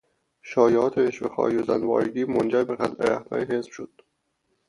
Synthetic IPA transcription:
ʃɒːjɒːt̪ʰeeʃbexɒ̰ːozæ̰nvɒ̰ːɾɡiːmond͡ʒæɾbeɣælʔḛɾæhd̪ʰɒ̰ːɾeɦesb̥ʃod̪̥

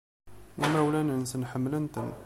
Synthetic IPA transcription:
ʔəmɾæwlænənsənħəmːlənt̪ən

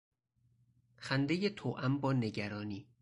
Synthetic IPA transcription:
xænd̪e̞jet̪ʰoːʔæmbɒːne̞ɟæɾɒːniː

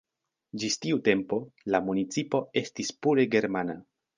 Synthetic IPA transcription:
d͡ʒistiute̞mpo̞lamunit͡sipo̞e̞stispuɾe̞ɡe̞ɾmana

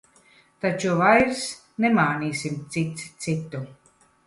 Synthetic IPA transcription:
t̪at͡ʃuvajɾs | nɛmaːniːsimt̪sit̪st̪sit̪ːu

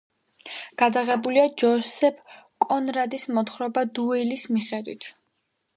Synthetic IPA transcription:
ɡ̥ad̪aʁɛbuliad͡ʒɔsɛpʰkʼɔnɾad̪ismɔt̪χɾɔbad̪uɛlismiχɛd̪wḭt̪ʰ

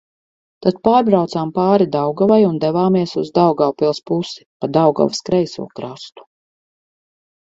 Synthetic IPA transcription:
t̪at̪̚paːɾbɾawt̪saːmpaːɾid̪awɡɔvajund̪ɛvaːmiɛsuzd̪awɡawpilˠspusi̥pad̪awɡɔ̰vskɾɛjsṵɔkɾast̪u̥

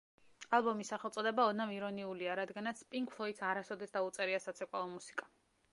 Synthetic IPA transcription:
alˠbɔmisːaχɛlt̪sʼɔd̪ɛbaɔnamiɾɔniuliaɾad̪ɡanat̪sʰpʼiŋkpʰlˠɔit̪saɾasɔd̪ɛsd̪aut̪sʼɛɾiasat̪sʰɛkʼalˠɔmusi̥kʼa

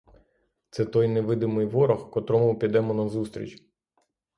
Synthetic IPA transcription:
t̪sɛt̪ɔjnɛʋɪd̪ɪmɪjʋɔɾɔxkɔt̪ɾɔmʊpʲid̪ɛmɔnɐzust̪ɾʲḭt͡ʃʲ

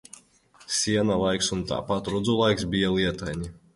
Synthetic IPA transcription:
sʲiɛnalˠajksunt̪a̰ːpat̪ɾud̪zulˠajksbʲijalˠiɛt̪ajɲi

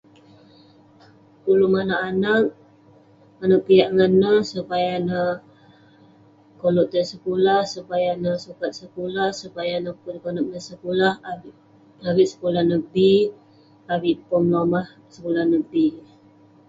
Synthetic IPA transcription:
pulumanaʔanak̚ | manapijaʔŋanəsəpajanə | kolɔʔt̪əsəkulahsupajanəsukat̪̚səkulahsəpajanəpuɾkonak̚nəsəkulah | awiʔ̪sə̥kulahnəbi | awiʔpɔmlomah | səkulahnəbi

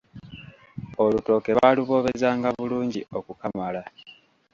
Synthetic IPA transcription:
o̞luto̞ːke̞βaːluβo̞ːβe̞zaːŋɡaβuluːɲɟio̞kukamala

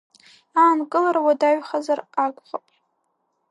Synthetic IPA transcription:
aːnkʼɨlaɾawadaɥχazarakʷʼχapʼ

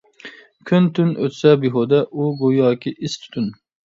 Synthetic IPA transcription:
kʲʰynt̪ʰynʔø̰t̪sɛbiɦod̪ɛʔuɡojɑːkʲʰiʔist̪ʰy̥t̪ʰyn

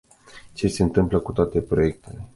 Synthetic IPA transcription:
t͡ʃe̞se̞ɨnt̪ɨmpləkut̪oat̪e̞pɾo̞je̞k̚t̪e̞le̞

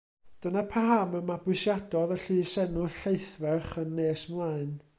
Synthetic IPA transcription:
d̥ənapʰaɦaməmabwʊɨʃjadɔðəɬɨːsɛnʊɬejθvɛrχənːeːsmlˠaɨn

